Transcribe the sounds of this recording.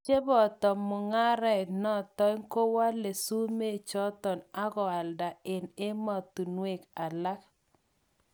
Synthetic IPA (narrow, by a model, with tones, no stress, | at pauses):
t͡ʃe˦bɔ˨tɔ˨mːʊ˨ŋa˦ɾɛ˨tnɔ˦tɔ˦ŋko˦wa˦le˨su˦me˦˨t͡ʃɔ˦t̪ɔ˨na˦ɡɔ˨a˨lda˨ɪ˨ne˦mɔ˨t̪u˨nwe˨ka˨la˦k